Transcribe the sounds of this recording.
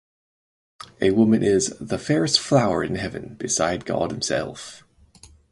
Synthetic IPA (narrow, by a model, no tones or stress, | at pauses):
ʔəwʊmə̃nʔɪzðəfɛːɹɪstflaʊə̰ɹɪ̰̃nɦɛvə̰̃nb̥ɪsaɪd̚ɡɒ̰d̥̚hɪ̃msɛ̰lˠf